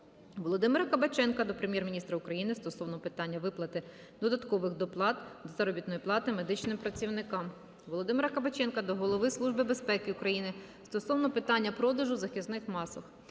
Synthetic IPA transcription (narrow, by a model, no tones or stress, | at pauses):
ʋɔlˠɔd̪ɪmeɾɐkɐbɐt͡ʃɛnkɐd̪ɔpɾemʲjɛrmʲinʲist̪ɾɐʊkɾɐjinɪst̪ɔsɔwnɔpɪt̪ɑnʲːɐʋɪplˠɐt̪ɪ | d̪ɔd̪ɐt̪kɔʋɪxd̪ɔplˠɑt̪d̪ɔzɐɾɔbʲit̪nɔjiplˠɑt̪ɪmed̪ɪt͡ʃnɪmpɾɐt͡sʲiwnɪkɑm | ʋɔlˠɔd̪ɪmeɾɐkɐbɐt͡ʃɛnkɐd̪ɔɦɔlˠɔʋɪslˠuʒbɪbe̞spɛkɪʊkɾɐjinɪ | st̪ɔsɔwnɔpɪt̪ɑnʲːɐpɾɔd̪ɐʒʊzɐxʲiznɪxmɑsɐx